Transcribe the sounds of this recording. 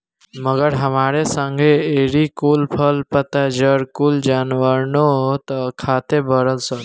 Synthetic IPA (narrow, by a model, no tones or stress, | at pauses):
məɡəɾɦəmaːɾesəŋɡʱeeɾikuːlpʰəlpət̪ad͡ʒəɾkuld͡ʒaːnʋəɾnot̪əkʰaːt̪ebʱəɾəlsə